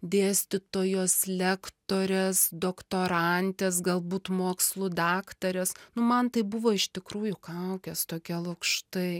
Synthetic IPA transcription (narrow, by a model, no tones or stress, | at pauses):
d̪ʲeːsʲt̪ʲɪt̪oːjoːslʲækt̪oːɾʲesd̪oːkt̪oːɾɐnʲt̪ʲeːsɡɐlˠbuːt̪moːkslˠʊd̪ɑːkt̪ɐɾʲɛsnʊmɐnt̪ɐɪbʊʋoːɪʃt̪ʲɪkɾuːjʊkɐʊkʲɛst̪oːkʲiɛlˠɐkʃt̪ɐɪ